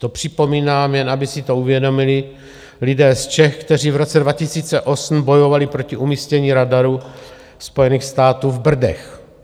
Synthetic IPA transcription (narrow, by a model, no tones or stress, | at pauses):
t̪o̞pr̝̥ɪpo̞miːnaːmjɛnabɪsɪt̪o̞uvjɛdo̞mɪlɪ | lɪdɛːst͡ʃɛxkt̪ɛr̝iːvɾo̞t͡sɛdvacɪsiːt͡sɛʔo̞sm̩bo̞jo̞valɪpɾo̞cɪʔumiːscɛɲiːɾadaɾu | spo̞jɛniːxst̪aːt̪uːvbr̩dɛ̰x